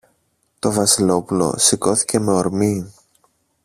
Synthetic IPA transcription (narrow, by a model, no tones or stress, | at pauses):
t̪o̞vɐsilo̞pulo̞̰siko̞θi̥ce̞me̞oɾmi